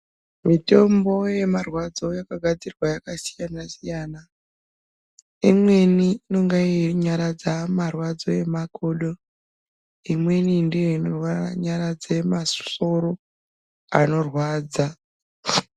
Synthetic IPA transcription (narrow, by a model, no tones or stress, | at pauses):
mite̞mbo̞je̞marwad͡zo̞jakaɡʱad͡zirwajakasijanasijaːna | imwe̞niːno̞ŋɡaiɲaɾad͡zamarwad͡zo̞e̞makoːɗo̞ | imwe̞nindejoinorwaɲaɾad͡zemasoɾo | ano̞rwaːd͡za